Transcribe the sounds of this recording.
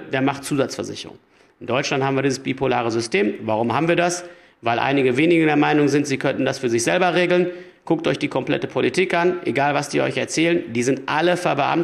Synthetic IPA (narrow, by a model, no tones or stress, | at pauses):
d̥eːɐmaχtt͡suːzat͡sfɛɐzɪ̰çəʁʊ̰ŋ | ɪndɔʏt͡ʃlanthaːbm̩iːɐdizəsb̥iːpʰolaːʁəzʏstʰeːmvaʁ̞ʊmhɦaːbm̩viːɐdas | vaɪlʔa̰ɪnɪɡəveːnɪɡdeːɐmaɪnʊŋzɪntz̥iːkʰœnn̩dasfyːɐzɪçz̥ɛlbɐʁeːɡl̩n | kʊktɔʏçd̥iːkʰɔmplɛ̰təpʰolitʰiːkʔanʔeɡaːlvasd̥iːʔɔ̰ʏçɛɐt͡sɛːləndiːzɪntʔaləfɛɐbəʔa̰m